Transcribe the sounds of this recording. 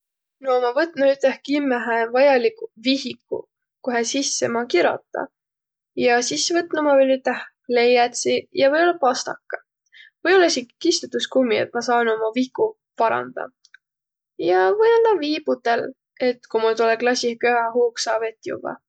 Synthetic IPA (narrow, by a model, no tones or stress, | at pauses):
nomɑvɤt̪ːˑnuyt̪ːˑehkimːæɦævɑjɑlikuvihikːˑṵ | koɦesisːemɑkiɾo̰t̪ːˑɑ̰ | jɑsisːevɤt̪ːˑnumɑvelʲyt̪ːˑeh | le̞jɑt̪sijɑvɤjo̞lːɑpɑst̪ɑ̰kːɑ | vɤjo̞lːɑisʲiki̥kist̪ut̪ːuskumːiḛt̪̚mɑsɑːno̞mɑviku | pɑɾɑ̰nd̪̥ɑ̰ | jɑvɤjɑnd̪ɑviːb̥ut̪el | e̞t̪ːkumult̪uleklɑsʲihkøɑɦuːksɑːbe̞t̪jṵvɑ̰